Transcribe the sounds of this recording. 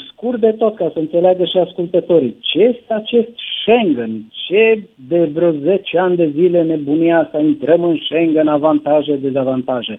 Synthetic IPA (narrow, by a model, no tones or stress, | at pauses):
skur̚d̪e̞t̪o̞t̪kasəɨnt̪se̞leaɡəʃiaskult̪ət̪o̞ɾit͡ʃe̞je̞st̪eat͡ʃe̞st̪ʃeŋɡənt͡ʃed̪e̞vɾoze̞t͡ʃeanʲd̪e̞zile̞ne̞buniast̪aint̪ɾəmɨnʃeŋɡənavant̪aʒed̪e̞zavant̪aʒe